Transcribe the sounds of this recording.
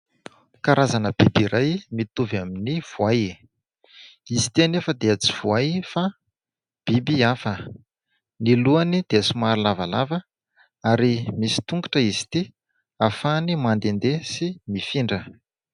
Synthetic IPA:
kaɾazanəb̥ibiɾajmit̪uvaminiv̥uaj | izi̥t̪ianefəd̪eat͡si̥v̥uajfa | b̥ibiafə | niluanid̪̥esumaɾilavalavə | aɾimisi̥t̪uŋɡaʈ͡ʂəizi̥t̪i | afanimand̪end̪esimifiɳɖ͡ʐə

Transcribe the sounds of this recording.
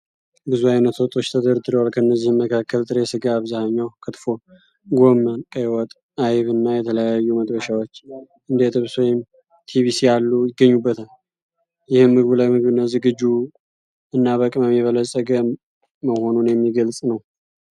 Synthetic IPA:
bɨzuajnət̪wɔt̪ʼo̞t͡ʃːt̪ʰəd̪əɾd̪ɨɾəwalkʰəɨnːəzːihmməkʰakʰːəlt̪ʼɨɾesɨɡaːβzahəɲːawkʰɨt̪fo̞ | ɡo̞mːənkʼəjwɔt̪ʼ | ajβɨnːajɛt̪ʰələjajːuməd̪ʼbəʃawo̞t͡ʃː | ʔɨnd̪et̪ʰɨβswɔjɪm | t̪ʰiβisijalːujɪɡəɲːubːət̪ʰal | jɪhɨmːɨɡβulajmɨɡβɨnːazɨɡɨd͡ʒu | ɨnːaβəkʼməmːiβələsʼəɡəː | əho̞nunjɛmːiɡəlsʼnəw

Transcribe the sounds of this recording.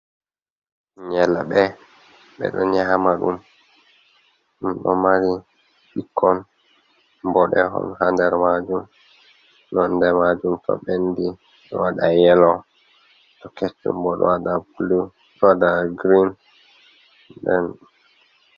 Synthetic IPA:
ɲɛlaɓɛ | ɓɛ̰ɗɔɲamaɗum | umɗɔmaɾi | ɓikʰːɔn | bɔɗɛɦɔ̰nhandɛɾmad͡ʒum | nɔndɛmad͡ʒumtɔ̰ɓendi | ɗɔwaɗajɛlɔ | tɔket͡ʃːṵmbɔɗɔ̰wadabulu | ɗɔwadaɡɾin | ɗɛn

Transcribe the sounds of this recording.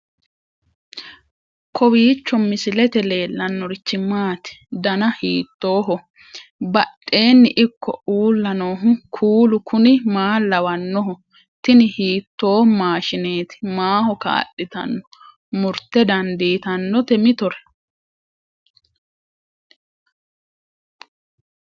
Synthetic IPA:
kʰɔwiːt͡ʃːɔmɪsɪlɛt̪ɛle̞ːlːɐnːɔɾɪt͡ʃːɪmaːt̪ɪ̥d̪ɐnɐhiːt̪ːoːɦɔ | bɐɗːe̞ːnːɪʔɪkʰːɔ̰uːlːɐnoːɦʊkʰuːlʊkʰʊnɪmaːlːɐwɐnːɔɦɔ | t̪ɪnɪhiːt̪ːo̞ːmaːʃɪneːt̪ɪ̥maːhɔka̰ːɗɪt̪ɐ̰nːɔ | mʊɾt̪ːɛd̪ɐnd̪iːt̪ɐnːɔt̪ɛmɪt̪ɔɾɛ̥

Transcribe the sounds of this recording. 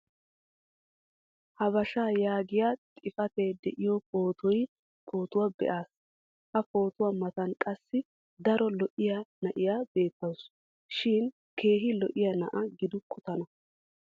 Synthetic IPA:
hɐbɐʃaːjaːɡɪjat̪ʼɪfɐt̪eːd̪ɛʔɪjɔpʼoːt̪ʰɔj | pʰo̞ːt̪ʊwabɛ̰ʔaːs | hɐpo̞ːt̪ʊwamɐt̪ɐnkʼɐsːɪ | d̪ɐɾɔlɔʔɪjanɐʔɪjabe̞ːt̪ːɐws | ʃɪn | ke̞ːɦɪlɔʔɪjɐnɐ̰ʔɐɡɪd̪ʊkʰːʊt̪ɐnɐ

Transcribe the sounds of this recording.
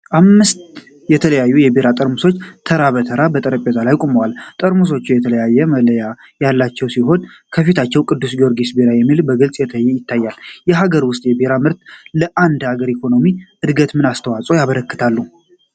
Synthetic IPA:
ʔamːɨst̪ | jɛt̪ʰələjajːujɛbeɾat̪ʼəɾmuso̞t͡ʃːt̪ʰəɾaβət̪ʰəɾabət̪ʼəɾəpʼezʼalajkʼuməwalt̪ʼəɾmus̬o̞t͡ʃːujɛt̪ʰələjajːɛmələja | jalːat͡ʃːɛwsiɦo̞nkʰəfit̪ʰat͡ʃːɛwkʼɨd̪ːusɡioɾɡisbeɾajɛmːilbəɡɨlsʼjɛt̪ʰajːɛjɪt̪ːajːaljɛɦaɡəɾwʊst̪ʼjɛbeɾamɨɾt̪ləʔand̪haɡəɾikʰo̞no̞miɨd̪ɡət̪mɨnast̪ʰəwat͡sʼo̞jaβəɾəkːɨ̥t̪ʰalːu

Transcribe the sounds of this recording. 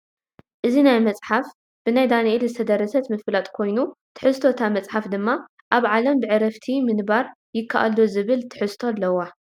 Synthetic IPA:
ʔɨzinajmɐt͡sʼħaf | b̥ɨnajd̪anɐʔelzɨt̪ʰɐd̪ɐɾɐsɐt̪mɨflat̪ʼkʰo̞jnut̪ʰɨ̥ħɨst̪ʰo̞t̪ʰamɐt͡sʼħafd̪ɨmːa | ʔaβʕalɐmbɨʕɨɾɐft̪ʰimɨnbaɾ | jɪkʰːaʔa̰lːozɨβɨlt̪ʰɨ̥ħɨst̪ʰolːɐwːa

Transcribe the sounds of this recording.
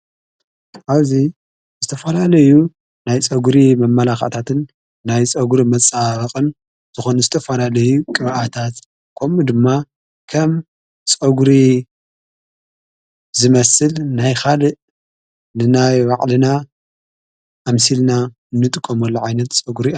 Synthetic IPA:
ʔaβzi | zɨt̪ʰɐfɐlalɐju | najt͡sʼɐɡɾimɐmːɐlaxa̰t̪ʰat̪ɨnː | ajt͡sʼɐɡuɾimɐt͡sʼːaβɐχʼɨn | z̥ɨxonzɨt̪ʰɐfɐlalɐjukʼɨβʔat̪ʰat̪ | kʰomud̪ɨmːa | kʰɐm | t͡sʼɐɡuɾi | zɨmɐsɨlnajxalɨʔ | nɨnajwaʕʼlɨna | ʔːmsilna | ɨnːɨt̪ʼɨkʼːomɐlːoʕajnɐt̪t͡sʼɐɡɾi

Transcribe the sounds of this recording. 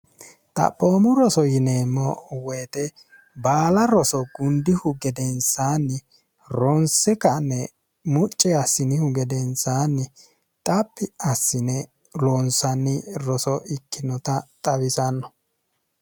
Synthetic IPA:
t̪ʼɐ̰pʼːoːmʊɾɔsɔjɪneːmːɔwɛjːt̪ɛ | baːlɐɾɔsɔɡʊnd̪ɪhʊɡɛd̪ɛnsaːnːɪ | ɾɔnsɛkɐnːɛ | mʊt͡ʃʼːɛɐsɪnɪhʊɡɛd̪ɛnsaːnːɪ | t̪ʼɐpːɪɐsːɪnɛ | lonsɐnːɪɾɔsɔɪkːɪnɔt̪ɐt̪ʼɐbɪsɐnːɔ

